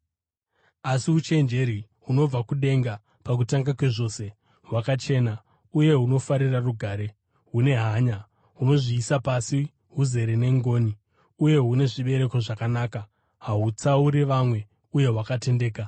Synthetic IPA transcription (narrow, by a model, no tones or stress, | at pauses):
asiut͡ʃe̞nd͡ʒe̞ɾi | ɦuno̞b͡vakuɗe̞ŋɡa | pak̬utaŋɡakwe̞ʐo̞se̞ | ɦwakat͡ʃe̞ːna | uje̞ɦuno̞faɾiraruɡʱaːɾe̞ | ɦune̞ɦaːɲa | uno̞ʐiːsapasi | ɦuze̞ɾene̞ŋɡo̞ːni | uje̞ɦune̞ʐiɓe̞ɾe̞ko̞ʐakanaːka | ɦaɦut͡sauɾiʋamwe̞ | uje̞ɦwakate̞nde̞ːka